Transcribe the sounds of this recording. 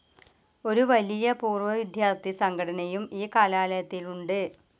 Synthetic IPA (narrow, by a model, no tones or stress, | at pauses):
o̞ɾuʋɐlijɐpuːrʋɐʋid̪ʱjaːrt̪ʰːisɐŋɡʱɐɽɐnɐjumiːkaːlaːlɐjɐt̪ːiluɳɖɨ